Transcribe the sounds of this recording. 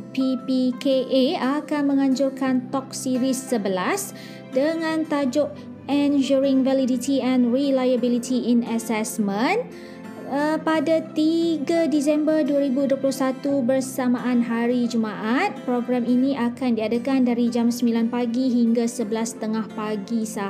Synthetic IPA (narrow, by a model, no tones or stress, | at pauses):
pipikeʔeakanmə̃ŋãɲd͡ʒʊrkant̪ɔk̚siɾisːəbəlas | dəŋãnt̪ad͡ʒʊʔ | ɛnd͡ʒuɾiŋvalidit̪iɛ̃nrilajabilit̪ʰiːnasɛsmə̃n | padat̪iɡadis̬ɛmbərduəɾibuduəplʊhsat̪ubərsamãʔanɦaɾid͡ʒumãʔat̪̚pɾoɡɾaminĩʔakandiadəkandaɾid͡ʒamsəmbilanpaɡiɦiŋɡasəbəlast̪əŋahpaɡisa